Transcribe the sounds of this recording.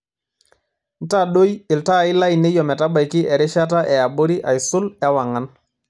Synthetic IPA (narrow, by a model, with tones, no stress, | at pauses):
n̩˦ta˦˨ɗo˦jɪ˨lta˦˨ɪ˦la˦i˨ne˦jɔ˨mɛ˨ta˦ba˨jkɪ˦ʔɛ˨ɾɪ˦ʃa˦t̬a˦ʔɛ˨a˨bo˦ɾi˦ʔa̰˨i˨sʊ˦lɛ˦wa˨ŋa˨n